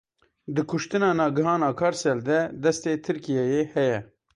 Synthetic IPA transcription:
d̪ɨkʰʊʃt̪ɨnɑːnɑːɡɨɦɑːnɑːkʰɑːɾsɛld̪ɛd̪ɛst̪eːt̪ʰɨɾkijɛjeːhɛjɛ

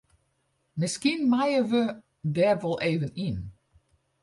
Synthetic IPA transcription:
mɪskinmajəʋə | dɛrʋɔlˠʔeːvənin

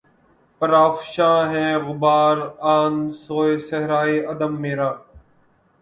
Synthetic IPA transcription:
pəɾaːfʃãːɦeːɣʊbaːɾaːnsoːeːsəɦɾaːiːəd̪əmːeːɾaː

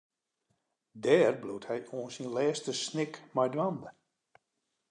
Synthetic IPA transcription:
dɛːrbluthɛjuənsinlɛːstəsnɪkmajdwandə

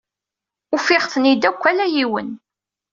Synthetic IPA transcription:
ufɪʁθnid̪ækʷːælæjiwə̰n

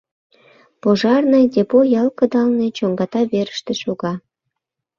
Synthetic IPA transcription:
poʒɑrnɤdʲepojɑlkə̆d̪ɑlnet͡ɕoŋɡɑt̪ɑβeɾəʃt̪ĕʃuɣɑ

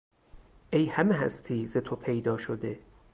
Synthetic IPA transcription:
ʔejhæmeɦæ̰st̪ʰiːzet̪ʰopʰe̞jd̪ɒːʃod̪e̞

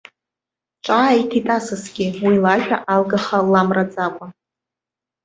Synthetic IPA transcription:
ʈ͡ʂʼaːitʰitʼasɨsɡʲɪwilaʒᶣaʔalɡaχalamrad͡zʼakʷʼa

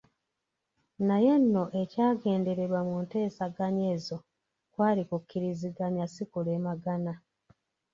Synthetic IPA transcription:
naje̞nːo̞ʔe̞caːɡe̞ːnde̞ɾe̞βwamunte̞ːsaɡaɲe̞ːzo̞ | kwaːlikukːiɾiziɡaɲasikule̞ːmaɡana

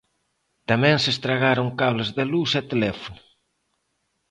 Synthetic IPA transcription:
t̪amɛ̃ŋsest̪ɾaɣaɾʊŋkaβlɐzðelusɛt̪elɛfonʊ

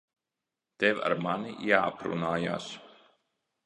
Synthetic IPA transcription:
t̪evʲa̰ɾmanijaːapɾṵnaːja̰ːs

